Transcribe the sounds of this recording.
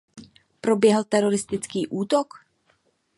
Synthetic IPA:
pɾo̞bjɛɦl̩t̪ɛɾo̞ɾɪst̪ɪt͡skiːʔuːt̪ok

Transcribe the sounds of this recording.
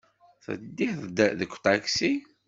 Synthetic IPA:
θə̰d̪ːiθðəkʷːt̪aksi

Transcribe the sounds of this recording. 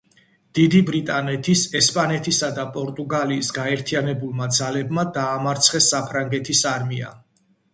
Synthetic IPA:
d̪̥id̪ibɾit̪ʼanɛt̪ʰisɛspʼanɛt̪ʰisad̪apʼɔɾt̪ʼuɡaliːsɡaɛɾt̪ʰianɛbulˠmad̪zalɛbmad̪aːmaɾt̪sʰχɛsːapʰɾaŋɡɛt̪ʰisaɾmia̰

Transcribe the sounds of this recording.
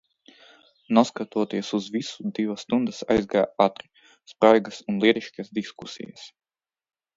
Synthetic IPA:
nɔskat̪uɔt̪iɛsuzvisud̪ivɐst̪und̪ɨsa̰jzɡaːat̪ɾi | spɾajɡɐsunlˠiɛɾiʃksd̪iskusḭja̰s

